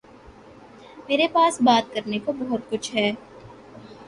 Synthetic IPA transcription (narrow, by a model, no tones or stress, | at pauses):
meːɾepaːsbaːt̪̚kɐɾnekobɔɦʊt̪̚kʊt͡ʃʰɦɛː